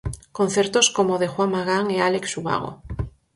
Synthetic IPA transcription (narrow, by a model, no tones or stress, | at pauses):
kon̟θeɾt̪oskomoðexwamːaɣaŋealeksuɣa̰ɣ̞o̰